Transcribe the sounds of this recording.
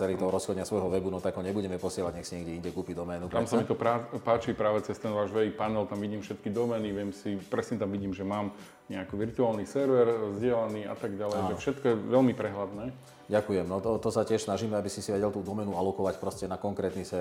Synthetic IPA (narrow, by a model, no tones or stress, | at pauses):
ɛlit̪ɔɦɔɾɔsxɔdɲɪasʋɔjɦɔʋɛbunɔt̪aɡɦɔɲɛbuɟɛmɛpɔsɪɛlaɟɲɛxsiɲɛɡɟɛiɲɟɛkuːpid̪ɔmɛːnup̪tɾamsamit̪ɔpɾapaːt͡ʃipɾaːʋɛt͡sɛst̪ɛnʋaːʒʋɛipanɛlt̪amʋiɟiːmfʃɛt̪kid̪ɔmɛːniʋɪɛmsipɾɛsɲɛt̪amʋiɟiːmʒɛmaːm | ɲɛakiʋiɾt̪uaːlnisɛɾʋɛɾzɟɪɛlaniːa̰t̪aɡɟalɛaːʒɛfʃɛt̪kɔjɛʋɛlmipɾɛɦlad̪nɛː | ɟakujɛmnɔt̪ɔt̪ɔsacɪɛʃsnaʒiːmɛabisisiʋɛɟɛlt̪uːd̪ɔmɛnualɔkɔʋacpɾɔscɛnakɔŋkɾɛːt̪nisʋɛ